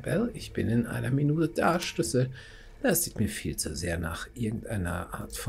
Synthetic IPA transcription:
bɛlɪçb̥ɪnɪnʔa̰ɪnɐminuːtəd̥aːʃlʏsə | d̥asiçmiːɐfiːlt͡suzeːɐna̰ːχʔɪɐɡŋ̩tʔaɪnɐ̰ʔaːɐtfɔ

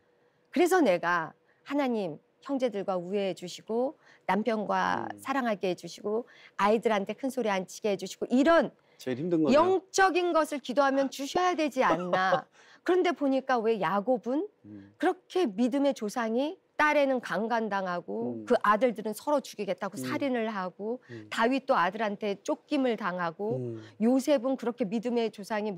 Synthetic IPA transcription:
kɯɾe̞s̬ʰʌne̞ɡa | hanaɲim | çjʌŋd͡ʑe̞dɯɭɡwaue̞d͡ʑuɕʰiɡo | nampʰjʌnɡwa̰sʰaɾaŋɦaɭkeɦed͡ʑuɕʰiɡo | aidɯɾɦantʰe̞kʰɯnsʰoɾiant͡ɕʰi̥ɡ̥eɦed͡ʑuɕʰiɡ̥oʔiɾʌn | t͡ɕdŋɡjʌŋt͡ɕ͈ʌɡinɡʌsʰɯɭkidoɦamjʌnt͡ɕuɕʰʌjadwe̞d͡ʑianːa | kɯɾʌnde̞poɲik͈awe̞jaɡobɯnkɯɾʌkʰe̞midɯme̞t͡ɕosʰaŋit͈aɾe̞nɯnkaŋɡandaŋɦaɡokɯʔadɯɭdɯɾɯnsʰʌɾot͡ɕuɡiɡe̞t̚t͈aɡosʰaɾinɯɭɦaɡotaɥit͈oadɯɾɦantʰe̞t͡ɕ͈ok̚k͈imɯɭtaŋɦaɡojosʰe̞bɯnkɯɾʌkʰe̞midɯme̞t͡ɕosʰaŋi

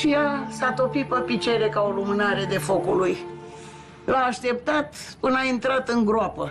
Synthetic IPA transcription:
ʃijasat̪o̞pit̪̚pəpit͡ʃeɾe̞kaolumɨnaɾe̞d̪e̞fo̞kuluj | laːʃt̪e̞p̚t̪at̪pɨnaint̪ɾat̪ɨŋɡɾoapə

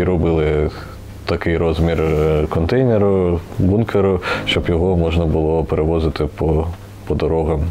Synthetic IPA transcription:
ɾɔbɪlˠɪ | t̪ɐkɪjɾɔzmʲirkɔnt̪ɛjnʲeɾʊbunkʰeɾʊʃt͡ʃɔbjɔɦɔmɔʒnɐbʊlˠɔpeɾʔeʋɔzɪt̪ɪpɔ | pɔd̪ɔɾɔɣɐm

